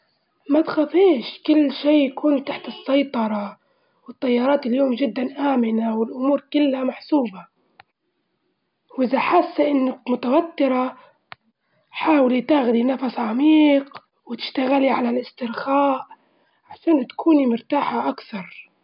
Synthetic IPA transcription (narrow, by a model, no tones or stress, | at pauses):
mat̪xat̪ˤiːʃkɪlːʃiːjakuːnt̪aħt̪ɨsːɑjt̪ˤɑɾˤɑ | wɪt̪ˤːɑjːɑːɾˤɑːt̪ɪljoːmd͡ʒɪd̪ːanʔaːmɪnawɪlʔʊmuːɾkɪlːamaħsuːba | wʔɪðaħasːaʔɪnːak̚mʊt̪awat̪ːɪɾa | ħaːwɪlit̪aɣd̪inafasʕamiːq | wɪt̪ɪ̥ʃt̪aɣaliʕalalʔɪst̪ɪɾxaːʔ | ʕaʃaːnʊt̪ḁkʰuːnimʊɾt̪aːħaʔakθɑɾˤ